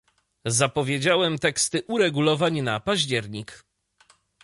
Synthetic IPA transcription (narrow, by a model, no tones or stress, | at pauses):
zapɔvʲjed͡ʑawɛmt̪ɛkst̪ɘʔuɾɛɡulɔvaɲnapaʑd͡ʑɛɾɲik